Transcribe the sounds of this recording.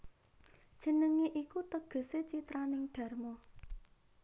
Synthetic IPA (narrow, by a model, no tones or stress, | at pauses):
d̥ʒ̥ə̤nəŋeʔikut̪əɡ̥ɔ̤set͡ʃit̪ɾanɪŋɖ̪̥a̤rmɔ